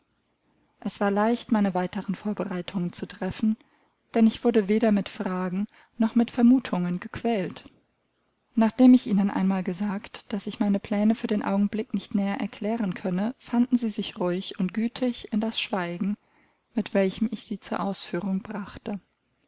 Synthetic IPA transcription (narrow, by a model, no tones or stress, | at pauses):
ʔɛsv̥aːɐlaɪçtmaɪnəvaɪtəʁənfoːɐbəʁaɪtʰʊŋənt͡sutʁ̥ɛfn̩ | d̥ɛnɪçv̥ʊɐdəveːɾɐmɪtfʁ̥aːɡŋ̩ | nɔχmɪtfɛɐmuːtʰʊŋənɡəkv̥ɛːlt | naːχd̥eːmɪçʔiːnənʔa̰ɪnmaːlɡəzaːktd̥asɪçmaɪnəpʰl̥ɛːnəfyːɐdeːnʔa̰ʊɡŋ̩blɪknɪçtnɛːɐʔɛ̰ɐkʰl̥ɛːʁənkʰœnəfandn̩ziːzɪçʁʊɪçʊntɡ̥yːtʰɪçɪndasʃv̥aɪɡŋ̩ | mɪtv̥ɛlçəmɪçz̥iːt͡suːɐʔaʊsfyːʁ̞ʊŋbʁaχtə